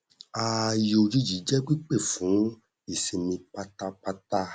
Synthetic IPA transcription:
a˧jo˧d͡ʒi˦d͡ʒi˨˦d͡ʒɛ˦k͡pi˦k͡pe˦˨fũ˨˦ | i˨se˨mĩ˧k͡pa˧ta˧k͡pa˧ta˧

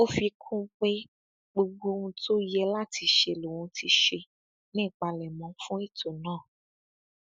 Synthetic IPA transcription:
o˦fi˧kʰũ˦k͡pe˦ | ɡ͡bo˧ɡ͡bo˦ŋũ˧˦tʰo˦i˦jɛ˧la˦ti˧ʃe˧lo˨wũ˨˧tʰi˧ʃe˧ | nĩ˦˨k͡pa˧lɛ˨mɔ̃˨˦fũ˦i˦˨to˨nãː˦˨

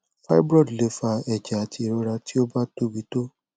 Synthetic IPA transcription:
fa˦bɾɔ˦˨dle˨˦fa˧ɛ˨d͡ʒa˨a˨˦ti˧˨ɾɔ˧ɾa˧ti˦o˦ba˦to˦bi˨˦to˦

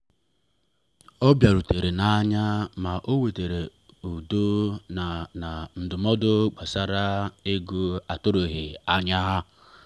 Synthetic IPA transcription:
ɔ˦bja˨ɾu˨te˨ɾe˨na˦ɲa˦ma˨ʔo˦we˨te˨ɾe˨ | u˨do˦n˨na˨n̩˨dʊ˨mɔ˦dʊ˦ɡ͡ba˨sa˦ɾa˦e˦ɡu˦a˨tʊ˦ɾo˨ɦɪ˨a˦ɲa˦ɦa˦

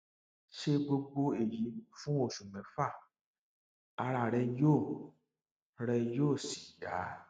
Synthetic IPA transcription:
ʃe˧ɡ͡bo˧ɡ͡bo˧e˨ji˨˦˨fũ˦o˦˨ʃũ˨mɛ̃˨fa˦˨ | a˧ɾa˨ɾɛ˧jo˦˨ | ɾɛ˧jo˦˨si̥˨ɡa̰˨˦

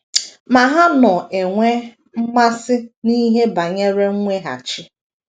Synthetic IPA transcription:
ma˨ɦa˦nɔ˨ʔe˨ŋʷe˦ | m̩˦ma˦sɪ˦ni˦ɦe˦ba˨ɲe˦ɾe˦ŋ̩˦ŋʷe˦ɦa̰˨t͡ʃɪ˦

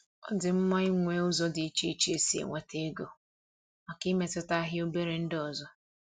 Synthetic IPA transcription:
ɔ̰˦dɪ˨m̩˦mɔ˦i˦ŋʷe˦ʊ˦zɔ˦dɪ˨i˦t͡ʃi˦i˦t͡ʃe˨si˦ḛ˨ŋʷe˨te˦ɡo˨ | ma˨kɪ˦me˨tʊ˦ta˦ɦɪ˦o˦be˦ɾe˨˦n̩˦dɪ˦ɔ˨zɔ˦

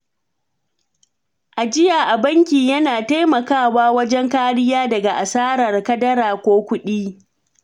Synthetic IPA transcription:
ʔa˨d͡ʒɪ˦jaː˨ʔa˨bɐ˦ŋkʲiː˨jɐ˦naː˨ta˦jmɐ˨kaː˦˨waː˦wɐ˦d͡ʒɛ˦ŋkaː˦ɾɪ˦jaː˦dɐ˨ɡa˨ʔa̰˨saː˦ɾɐ˨rkɐ˦dɐ˦ɾaː˨kʷoː˦kʷʊ˦ɗiː˦

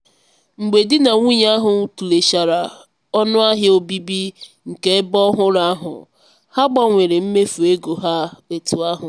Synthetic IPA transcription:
ŋ͡m̩˨ɡ͡be˨dɪ˦na˨ŋʷu˦ɲ˦a˦ɦʊ˨˦tu˨le˨ʃa˨ɾa˨ | ɔ˦nʊ˦a˦ɦɪ˦o˦bi˦bi˦ | ŋ̩˨ke˦bɔ˦ɦʊ˦ɾa˦a˦ɦʊ̰˨ | ha˦ɡ͡ba˨ŋʷe˨ɾe˨m̩˦me˦fu˨e˦ɡo˨ɦa˦e˨tu˨a˦ɦʊ˨

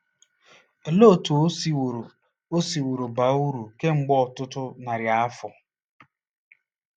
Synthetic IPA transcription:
e˨lo˦˨tu˨o˦swɾ | o˦si˨wo˨ɾo˨ba˨u˦ɾu˨ke˦ŋ͡m̩˨ɡ͡bɔ˦ɔ˨tʊ˦tʊ˦na˨ɾja˨˦a˦fɔ˨

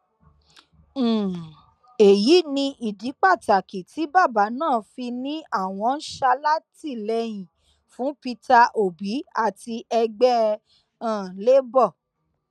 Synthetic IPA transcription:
e˨ji˨˦nĩ˧ʔi˨di˨˦k͡pa˦˨ta˨ki˨ti˨˦ba˦˨ba˨˦nãː˦˨fi˧nĩ˦a˦˨w̃ɔ̃˧n̩˦ʃa˧la˦ti˦˨lɛ˧j̃ĩ˨ | fũ˨˦pi˧ta˧ʔo˨bi˨˦a˦˨ti˧ʔɛ˧ɡ͡bɛ˦ | ã˦˨le˦bɔ˦˨

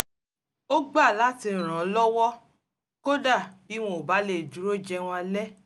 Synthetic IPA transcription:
o˦ɡ͡ba˦˨la˦ti˧˨ɾ̃ã˨˦lɔ˦wɔ˦ | ko˦da˦˨bi˨˦w̃ɔ̃˦o˨ba˨˦le˨d͡ʒu˨ɾo˦˨d͡ʒɛ˧w̃ɔ̃˧a˧lɛ˦

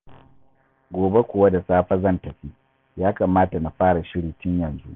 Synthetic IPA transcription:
ɡʷoː˨be˦kʷʊ˨wa˦da˨saː˦ɸa˦zɐ˦˨ntɐ˨ɸiː˦ | jaː˦kaː˨maː˦ta˨na˨ɸaː˦ɽa˨ʃɪ˦ɽiː˨tɪ˦ɲjɐ˨nzṵ˦ʔ

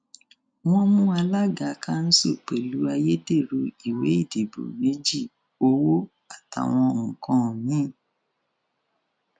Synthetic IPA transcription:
w̃ɔ̃˦mũ˦a˧la˦ɡa˨˧ka˦n̩˦so˦˨k͡pe˨lu˨˦a˧je˦de˦˨ɾu˧i˨we˨˦i˦˨de˨bo̰˨me˦d͡ʒi˦˨ | o˧wo˦ | a˨ta̰˨w̃ɔ̃˧ŋ̩˨kɔ̃˧˨nĩ˦˨

